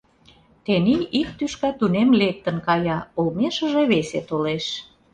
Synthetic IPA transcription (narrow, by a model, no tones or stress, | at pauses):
t̪eniik̚t̪yʃkæt̪unemlek̚t̪ə̆nkɑjɑolmeʃə̆ʒeβeset̪oleʃ